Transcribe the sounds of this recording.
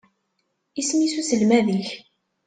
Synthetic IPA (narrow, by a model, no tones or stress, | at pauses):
ismisusəlmæðiç